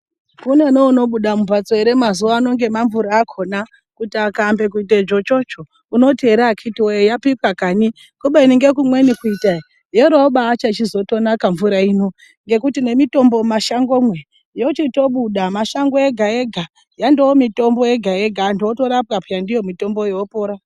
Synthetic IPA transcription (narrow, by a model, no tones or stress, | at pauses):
kune̞neuno̞ɓuɗamupat͡soeɾemazuwaːno̞ŋɡe̞maɱvuɾaːkʰo̞na | kutiakambe̞k̬uit̬ed͡ʒo̞t͡ʃo̞t͡ʃo̞ | uno̞teɾakʰitiweejapipwakani | kuɓeiniŋɡek̬umwe̞nikuitai | jeɾoɓaːt͡ʃat͡ʃizo̞to̞nakaɱvuɾaiːno̞ | ŋɡe̞kutine̞mito̞mbo̞maʃaŋɡo̞mwe̞ | jo̞t͡ʃito̞ɓuɗamaʃaŋɡoeɡʱaeɡʱa | jandewomito̞mbo̞e̞ɡʱajeɡʱandoto̞ɾapkapjandijo̞mito̞mbo̞jeopo̞ːɾa